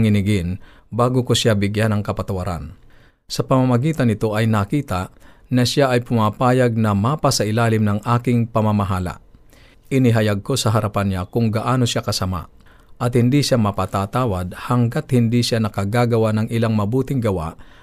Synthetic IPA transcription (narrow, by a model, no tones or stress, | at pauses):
ŋɪnɪɡɪn | baːɡokosjabɪɡjanɐŋkɐpɐt̪ɐwɐɾa̰n | sɐpɐmamɐɡiːt̪ɐnɪt̪o̞ʔɐjnɐkiːt̪anɐsjaʔɐjpʊmaːpaːjɐɡ̚nɐmapɐsɐʔɪlaːlɪmnɐŋʔaːkɪŋpɐmamɐɦaːla̰ | ʔɪnɪɦɐjaɡ̚ko̞sɐɦɐɾɐpanɲakʊŋɡɐʔaːno̞sjakɐsɐma̰ | ʔɐt̪hɪnd̪iʃamɐpat̪at̪aːwɐd̪̚hɐŋɡat̪̚hɪnd̪iʃanɐkɐɡaːɡɐwanɐŋɪlaŋmɐbuːt̪ɪŋɡɐwa̰ʔ